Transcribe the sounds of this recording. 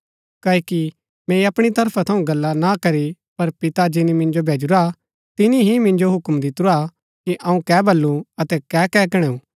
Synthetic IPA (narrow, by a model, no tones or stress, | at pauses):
kɐːki | mɛ̃iɐpɽ̃it̪ɐɾpʰat̪ʰɐũɡɐlːanakɐɾi | pɐɾpɪt̪ad͡ʒɪnimɪ̃nd͡ʒobʱeːd͡ʒʊɾa | t̪ɪniɦimɪ̃nd͡ʒoɦʊkmd̪ɪt̪ɾua | kiʔɐũkɛːbʱɐlːuɐt̪ɛkɛːkɛːkɐɽ̃ɛũː